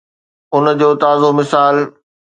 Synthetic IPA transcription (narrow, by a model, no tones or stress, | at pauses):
ʊnd͡ʑoːt̪aːzomɪsaːl